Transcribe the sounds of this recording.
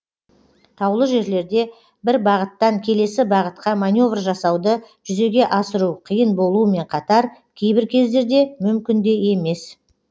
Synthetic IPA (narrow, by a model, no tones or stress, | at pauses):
t̪ʰɑwlˠəʒe̞ɾle̞ɾd̪e̞ | bɪɾbɑʁət̪ːɑŋkʲʰe̞le̞sɪbɑʁət̪qɑmanʲjo̞vrʒɑsɑwd̪ə | ʒ̥ʏze̞ɡʲe̞ʔɑsəɾuqʰəjənbo̞lˠuəme̞ɴqʰɑt̪ɑɾkʲʰejbɪɾkʲʰe̞zd̪e̞ɾd̪e̞mʏmkʲɪnd̪e̞je̞me̞s